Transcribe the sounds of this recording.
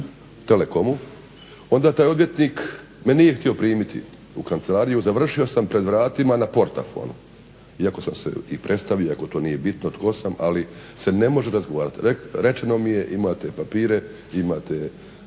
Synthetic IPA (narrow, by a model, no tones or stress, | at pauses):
t̪e̞le̞ko̞mu | o̞nd̪aːt̪aːjo̞d̪ʋje̞t̪niːk | menije̞xt̪io̞pɾiːmit̪ḭ | ukant̪se̞laːɾijuzaʋr̩ʃio̞sampɾe̞d̪ʋɾaːt̪imanapo̞ɾt̪a̰fo̰ːnu | iako̞samsḛipɾʔe̞t̪st̪aʋioako̞t̪o̞ːnije̞bit̪not̪ko̞sama̰lise̞ne̞mo̞ʒeɾazɡoʋaːɾat̪ɾekɾe̞t͡ʃeno̞mije̞ʔimaːt̪e̞papiːɾe̞ | imaːt̪e̞